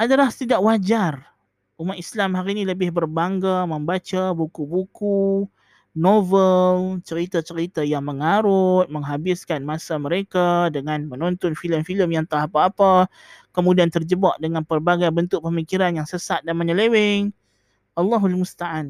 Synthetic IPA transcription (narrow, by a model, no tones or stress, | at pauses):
ʔadalaht̪idaʔwad͡ʒar | ʔumat̪islamɦaɾiniləbɪhbərbaŋɡaməmbat͡ʃabukubuku | novəlt͡ʃəɾit̪at͡ʃəɾit̪ajaŋməŋaɾʊt̪̚məŋɦabɪskanmasaməɾekadəŋanmənɔnt̪ɔnfiləmfiləmjaŋt̪əɦapaːpa | kəmudiant̪ərd͡ʒəbaʔdəŋanpərbaɡajbənt̪ʊʔ̚pəmikiɾanjaŋsəsat̪̚danməɲəlewɪŋ | ʔɑlːɑɦualmust̪aan